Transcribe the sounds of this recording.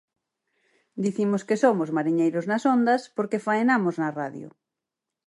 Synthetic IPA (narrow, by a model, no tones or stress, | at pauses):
d̪iθimoskesomozmaɾiɲejɾoznasond̪aspoɾkefaenamoznaraðjo̰